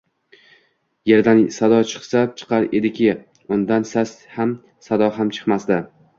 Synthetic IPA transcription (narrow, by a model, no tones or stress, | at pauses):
je̞ɾd̪ansad̪ɒt͡ʃʰɨ̥qsat͡ʃʰɨ̥qɑɾe̞̰d̪ɪkʲʰɪ | ʊnd̪ansasham | sad̪ɒɦamt͡ʃʰɨ̥qmasd̪ɪ